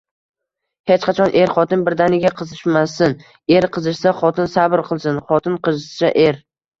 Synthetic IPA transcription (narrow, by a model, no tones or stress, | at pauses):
het͡ʃqʰɑt͡ʃʰɒnʔe̞ɾχɒt̪ʰɪnbɪɾd̪anɪɡʲaqʰɨzɪʃmasɪn | e̞ɾqʰɨzɨʃsaχɒt̪ʰɪnsabɾqʰɨlˠsɪnχɒt̪ʰɪnqʰɨzɪʃsaʔe̞ɾ